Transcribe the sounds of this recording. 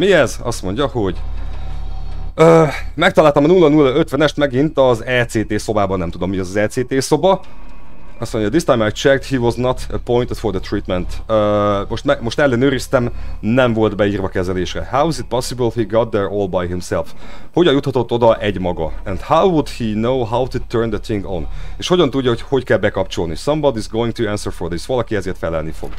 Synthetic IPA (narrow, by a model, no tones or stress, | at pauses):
miɛzɒ̰st̪mo̞ɲɟɒho̞ɟ | øːmɛk̚t̪ɒlaːlt̪ɒmɒnulːɒnulːɒø̞t̪ʋɛnɛʃt̪mɛɡint̪ɒzɛːseːt̪eːso̞baːbɒnɛmt̪ud̪o̞mːiɛzɒzɛːt̪seːt̪eːso̞bɒ | ɒst̪mo̞ɲɟɒd̪ist̪ajmajt̪t͡ʃɛk̚t̪hiːʋɒznɒt̪əpo̞jnt̪ed̪̥ford̪ət̪riːt̪mɛnt̪øːmo̞ʃt̪mɛmo̞ʃt̪ɛlːɛnøːɾist̪ɛmnɛɱvo̞ld̪bɛiːrvɒkɛzɛleːʃrɛ̰hawɪzɪt̪̚pɒsibəlhiːɡɒt̪̚d̪ɛɹɔːlbajɦimsɛlfho̞ɟɒnjut̪hɒt̪o̞t̪ːo̞d̪ɒʔɛɟmɒɡɒɛ̃nd̪hawwud̪hinoːɦawt̪ut̪ʰøɹnd̪ət̪ɪŋɡo̰neːʃho̞ɟɒnt̪uɟːɒɦo̞cho̞ckɛlbɛkɒpt͡ʃo̞lnisɒmbɒd̪izɡoːĩŋ̚t̪uæ̃nsərfod̪isʋɒlɒkiɛzeːrt̪fɛlɛlnifo̰ɡ̥